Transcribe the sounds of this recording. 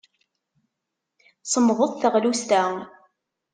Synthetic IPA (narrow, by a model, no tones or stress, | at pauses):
sˤəmðˤoðˤθəʁlust̪æ